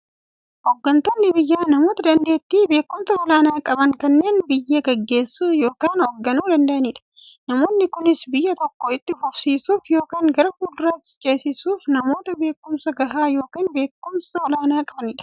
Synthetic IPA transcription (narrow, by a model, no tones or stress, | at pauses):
hɔɡːɐnt̪oːnːɪbɪjːaːnɐmo̞ːt̪ɐd̪ɐnd̪e̞ːt̪ːibe̞ːkːʊmsɐɔlaːnaːkʼɐbɐŋkɐnːe̞ːnbɪjːɐɡɐɡːe̞ːsːuːjo̞ːkaːnɔɡːɐnuːd̪ɐnd̪ɐʔɐniːᶑɐ̥ | nɐmo̞ːnːɪkʊnɪsbɪjːɐt̪ɔkːɔɪt̪ːɪfʊfsiːsuːfjo̞ːkaːŋɡɐɾɐkuːd̪ʊɾɐt͡ʃʼeːsɪsuːfnɐmo̞ːt̪ɐbe̞ːkːʊmsɐɡɐɦaːjo̞ːkaːnbe̞ːkːʊmsɐwɔlaːnaːkʼɐbɐniːᶑɐ̥